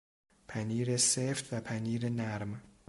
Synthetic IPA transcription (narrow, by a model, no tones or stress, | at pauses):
pʰaniɾesɛft̪apʰaniɾenaɾma